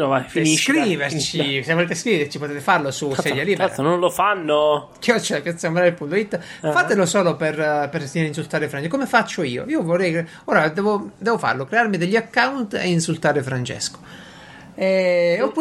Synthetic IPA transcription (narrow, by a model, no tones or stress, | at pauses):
nafiniskɾiveɾt͡ʃisevoleːt̪eskɾiveɾt͡ʃipot̪ɛːt̪efarlosussɛd̪jaliːbɾnõnlofanːo | kiɔt͡ʃːelapjat̪sːamɾaɾepunt̪oit̪ːfat̪elosɔːloperpeɾsiɾeinsult̪aːɾefɾant͡ʃekomefat͡ʃːoiːo̰iːovorːɛj | ɔːɾad̪ɛːvod̪ɛːvofa̰rlokɾeaɾmid̪eʎːiakːawnt̪ḛinsult̪aːɾefɾant͡ʃɛ̰sko̥ | ɛopːu